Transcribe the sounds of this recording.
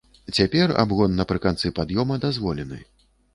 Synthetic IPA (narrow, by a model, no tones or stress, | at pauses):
t͡sʲapʲɛra̰bɣɔnːɐpɾɨkant̪sɨpad̪jɔmɐd̪azvɔlʲɛnɨ̰